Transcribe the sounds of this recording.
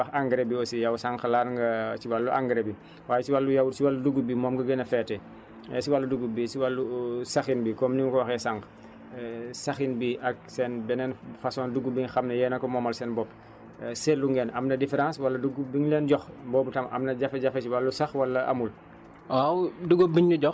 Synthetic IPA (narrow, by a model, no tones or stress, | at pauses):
wɐxaŋɡɾebiɔsijɐwsaŋkɐlaːɾŋɡɐt͡ʃiwalːuʔa̰ŋɡɾebi | waːjɛt͡ʃiwalːujɐwut͡ʃiwalːuduɡːubimɔːmɡɐɡɛnɐfɛtːɛ | ɛ̰siwalːɐduɡːubisiwalːusɐxinbikɔːmniŋkɔwɐxɛsaŋk | sɐxinbiʔɐk̚sɛnbɛnɛːnfɐsɔːnduɡubiɲxɐmnɐjɛːnɐkɔmɔːmɐlsɛːnbɔpː | selːuŋɡɛːnʔɐmnɐdifɛɾãːswɐlːɐduɡubiɲlɛːnɟɔxbɔːbutɐmɐ̰mnɐɟɐfɐɟɐfɐt͡ʃiwalːusɐxwɐlːɐʔɐ̰mul | awduɡobiɲːuɟɔx